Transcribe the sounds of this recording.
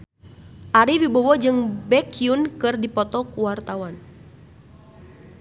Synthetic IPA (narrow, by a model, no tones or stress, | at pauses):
ʔaɾiwibɔwɔd͡ʒɨŋbɛkiunkɨrdipɔt̪ɔkuwart̪awan